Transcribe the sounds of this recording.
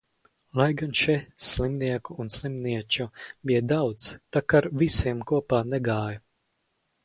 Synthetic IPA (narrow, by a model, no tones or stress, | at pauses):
lˠajɡanʃɛslimniɛkuːnslˠimniɛt͡ʃubijd̪awt̪st̪akaɾvisiɛmkuɔpaːnɛɡaːjʊ